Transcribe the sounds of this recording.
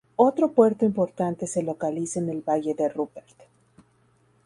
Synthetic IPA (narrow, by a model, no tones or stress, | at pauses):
o̞t̪ɾo̞pwe̞ɾt̪oimpo̞ɾt̪ant̪e̞se̞lo̞kalisaene̞lβaʝe̞ðerupeɾt̪